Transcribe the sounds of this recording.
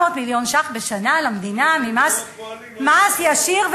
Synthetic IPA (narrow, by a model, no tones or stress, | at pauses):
ot̪miljo̞nʃaχbeʃanalamd̪inamimas | masjaʃiʁv